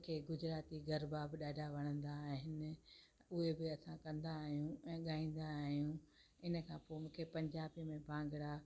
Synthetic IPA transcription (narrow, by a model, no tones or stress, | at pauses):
kʰeɡʊd͡ʑɾaːt̪iɡɐɾbabɪɗaːɖʱaʋɐɽ̃ə̃nd̪aɦɪnɪ̆ | ʊɦebɪɐsãkɐ̃nd̪aːɦijũɛ̃ːɠaːĩːn̆d̪aːɦijũ | ɪnə̆kʰãːpoːmũːkʰepɐ̃ɲd͡ʑaːbimẽbʱãːŋɡɪɽa